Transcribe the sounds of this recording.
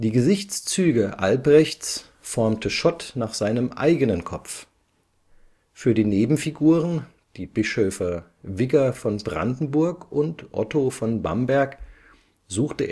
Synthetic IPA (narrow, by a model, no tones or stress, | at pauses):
d̥iːɡəzɪçt͡st͡syːɡəʔa̰lbʁɛçt͡s | fɔɐmtʰəʃɔtnaːχz̥aɪnəmʔa̰ɪɡənənkʰɔpp͡f | fyːɐdiːneːbm̩fiɡuːʁən | d̥iːbɪʃøːfɐ | vɪɡɐfɔnbʁa̰ndn̩bʊɐkʔʊntʔɔ̰tofɔnba̰mbɛɐk | z̥uːxtəʔḛː